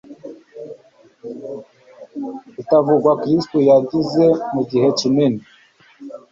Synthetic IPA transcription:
itavuɡwakɾistujaɟize̞muɟihe̞cinini

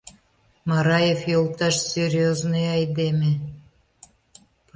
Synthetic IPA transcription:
mɑɾɑjefjolˠt̪ɑʃsʲeɾʲjoznojɑjd̪eme

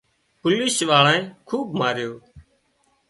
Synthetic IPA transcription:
pʊliːsʋaːɭãːẽːkʰuːbmaːɾɪjoː

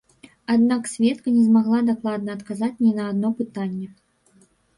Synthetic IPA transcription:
ad̪naksʲvʲɛt̪̚kɐnʲɛzmaɣlˠad̪aklˠad̪nɐːt̪kazat͡sʲnʲinɐːd̪nɔpɨt̪anʲːɛ

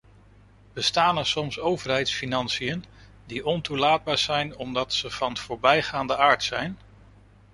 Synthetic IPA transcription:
b̥əstaːnɛɹsɔmsowvəɹɦɛjtsfinɑnsijən | diʔɔntulaːd̚baːɹz̥ɛjnɔmdɑtsəv̥ɑnv̥ʊːɹbɛjχaːndəʔaːɹtsɛjn

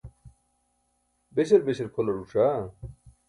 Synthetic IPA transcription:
beɕeɾbeseɾkʰolɐɾuʂa

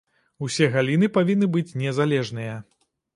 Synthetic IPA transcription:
usʲɛɣalʲinɨpavʲinːɨbɨt͡sʲnʲɛzalʲɛʐnɨjɐ

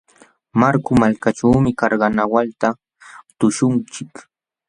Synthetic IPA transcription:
maɾkʊmalkaʈ͡ʂaːmɪkɑɾɢɑnawalt̪a | t̪ʊʃʊnt͡ʃɪk

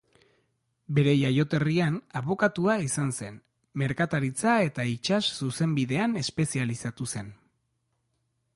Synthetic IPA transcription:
be̞ɾe̞jajo̞t̪e̞rianaβo̞kat̪uaisanse̞n | me̞ɾkat̪aɾit͡sae̞t̪ait͡ʃassuse̞mbiðe̞ane̞spe̞sialisat̪use̞n

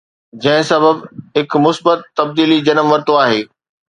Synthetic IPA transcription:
d͡ʑɐ̃ɦɪ̃sɐbəbɦɪkmʊsbət̪ːɐb̚d̪iːlid͡ʑɐnəmʋɐɾt̪oaːɦeː

